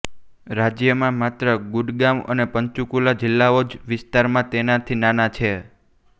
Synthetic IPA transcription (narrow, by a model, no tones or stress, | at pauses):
ɾad͡ʒjəmãmat̪ɾəɡʊɖɡamə̰nepəɲt͡ʃukulad͡ʒɪlːaod͡ʒʋɪst̪aɾmãt̪enat̪ʰinanat͡ʃʰe